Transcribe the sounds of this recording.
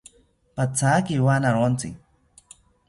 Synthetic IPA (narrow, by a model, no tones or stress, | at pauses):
pat͡sakiwanaɾant͡sḭ